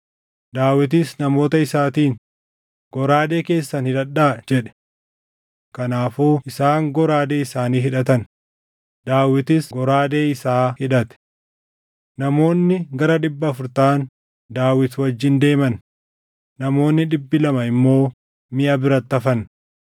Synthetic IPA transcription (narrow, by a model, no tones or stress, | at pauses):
d̪aːwɪt̪̬ɪsnɐmo̞ːt̪ɐɪsaːt̪iːn | ɡ̥ɔɾaːd̪e̞ːke̞ːsːɐnhɪᶑɐᶑːaːd͡ʒɛᶑɛ̥ | kɐnaːfuːɪsaːŋɡɔɾaːd̪e̞ːɪsaːniːɦɪᶑɐt̪̬ɐn | d̪̥aːwɪt̪ɪsɡɔɾaːd̪eːɪsaːhɪᶑɐt̪ɛ̥ | nɐmo̞ːnːɪɡɐɾɐᶑ̪ɪbːɐːfʊɾt̪aːn | d̪aːwɪt̪wɐd͡ʒːɪnd̪e̞ːmɐnː | ɐmo̞ːnːɪᶑɪbːɪlɐmɐɪmːo̞ː | mɪʔɐbɪɾɐt̪ːɐfɐn